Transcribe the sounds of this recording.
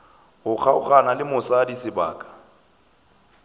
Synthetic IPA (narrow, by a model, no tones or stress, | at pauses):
hʊk͡xʰaʊ̰χanalɪmʊsadisɪba̰ːkʼḁ